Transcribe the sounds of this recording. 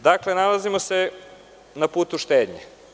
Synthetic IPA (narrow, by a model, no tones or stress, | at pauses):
d̪aklenalazimose | napuːt̪uʃt̪eːd̪ɲḛ